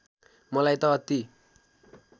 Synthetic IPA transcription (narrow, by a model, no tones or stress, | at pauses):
mɔlajt̪ɔt̪ːi